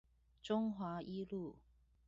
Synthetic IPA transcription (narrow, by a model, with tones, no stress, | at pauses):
ʈ͡ʂʊ˥ŋxwa˨˧˥ʔi˥lu˥˩